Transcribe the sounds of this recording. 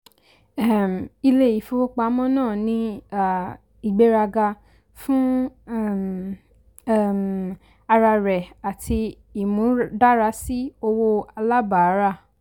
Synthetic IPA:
ɛ˦˨m˨i˧le˦˨ji˨˦fu˧o˦k͡pa˧˦mɔ̃˦nãː˦˨nĩ˧˦a˨ | i˨ɡ͡be˧ɾa˧ɡa˧ | fũ˦˨˦ | m˨ | a˧ɾa˧ɾɛ˨a˨tʰi˧ | i˨mũ˨˦da˦ɾa˧˦si˦o˧wo˧a˧la˦ba˨a˨˦ɾa˦˨

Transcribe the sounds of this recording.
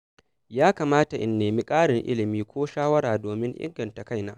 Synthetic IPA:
jaː˦kaː˨maː˦ta˨ʔɪ̰˨nːeː˨mi˦kʼaː˦ɽɪ˨ŋʔɪ̰˦lɪ˨miː˦kʷoː˦ʃaː˦wɐ˦ɽaː˨doː˨mɪ˦ŋʔɪ̰˦ŋɡɐ˨nta˨ka˦˨jnaː˦

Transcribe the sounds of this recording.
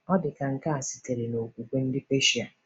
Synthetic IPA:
ɔ˦dɪ˨ka˨ŋ̩˨ka˦a˨si˨te˨ɾe˨no˨kʷu˨kʷe˦n̩˦dɪ˦pe˦ʃi˨a˨

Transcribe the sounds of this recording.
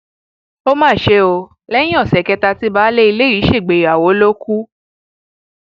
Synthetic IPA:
o˦mãː˦˨ʃe˧˦o˧ | lɛ̃˦ĩ˦ɔ˦˨sɛ˨kɛ˧ta˧ti˦ba˨˦le˦i˧le˦˨i˨˦ʃe˦˨ɡ͡be˨a˨wo˨˦lo˦ku˦

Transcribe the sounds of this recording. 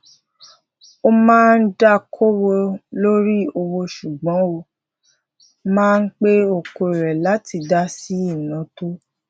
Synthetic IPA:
o˦mãː˦n̩˦da˦kʰo˦wo˧lo˦ɾi˦o˧wo˧ʃu˨ɡ͡bɔ̃˨˦o˧ | mãː˦n̩˦k͡pe˦o˧ko˧˨i˨ɾɛ˨la˨˦ti˧da˦si˨˦i˦˨nã˨˦to˦

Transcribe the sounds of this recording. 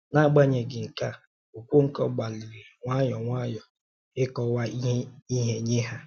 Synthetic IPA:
na˦˨ɡ͡ba˦ɲe˨ɡɪ˨ŋ̩˨ka˦ | o˨kʷu˦ŋ̩˦kɔ˦ɡ͡ba˨lɪ˨ɾi˨ŋʷa˦jɔ˨ŋʷa˦jɔ˨ | ɪ˦kɔ˨wa˦i˦ɦe˦ɲe˦ɦa˦

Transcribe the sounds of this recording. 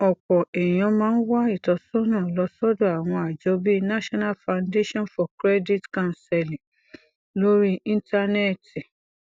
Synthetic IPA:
ɔ˨k͡pɔ˨ɛ˨j̃ɔ̃˧˦mãː˦n̩˦wa˦i˦˨tɔ˧sɔ˦nãː˦˨lɔ˧˦sɔ˦do˦a˨w̃ɔ̃˧a˨d͡ʒɔ˧˦bi˦na˦ʃɔ˦na˦lfã˨nde˦ʃɔ̃˦˨nfɔ˨kɾɛ˦di˦tkã˦˨sɛ˧lĩ˨ | lo˦ɾi˦ĩ˦nta˧nɛ˦˨ti˨

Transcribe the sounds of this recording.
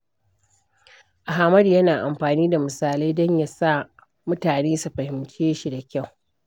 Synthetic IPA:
ʔa˨ɦaː˨mɐ˦djɐ˦naː˨ʔa˨mɸaː˨niː˦da˨mʊ˨saː˨la˦jdɔ˦ɲja˦sa˦˨ | mʊ˦taː˨neː˦su˨ɸɐ˨hɪ˨mt͡ʃeː˦ʃi˦da˨kʲa˦˨w

